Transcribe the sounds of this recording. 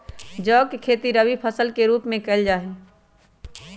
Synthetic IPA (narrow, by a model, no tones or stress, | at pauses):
d͡ʒɔːkekʰeːt̪iɾəʋipʰəsəlkeɾuːpmẽkɐɪld͡ʒaːɦe